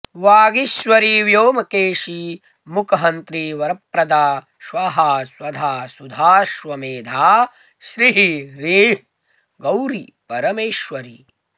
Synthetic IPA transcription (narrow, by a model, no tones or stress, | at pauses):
ʋaːɡiʃʋɐɾiʋjoːmɐkeːʃi | mukɐɦɐnt̪ɾiʋɐɾɐpɾɐd̪aː | ʃʋaɦaːswɐd̪ʱaːsud̪ʱaːʃʋɐmeːd̪ʱaː | ʃɾiɦiɾiːɦ | ɡɐwɾi | pɐɾɐmeːʃʋɐɾi